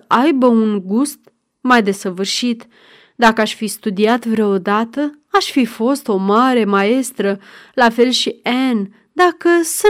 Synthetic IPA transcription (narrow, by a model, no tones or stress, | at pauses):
ʔajbəunɡust̪ | majd̪e̞səvɨrʃit̪ | d̪akəaʃʲfist̪ud̪iat̪vɾəod̪at̪ə | aʃfifo̞st̪o̞maɾe̞mae̞st̪ɾəlafe̞lʃien | d̪akəsə